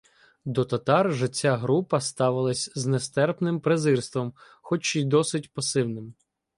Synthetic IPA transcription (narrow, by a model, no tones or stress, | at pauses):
d̪ɔt̪ɐt̪ɑrʒɪt͡sʲːaɦɾupɐst̪ɑʋɪlˠɐsʲznɛst̪ɛrpnɪmpɾezɪrst̪ʋɔm | xɔt͡ʃijd̪ɔsɪtʲpɐsɪwnɪm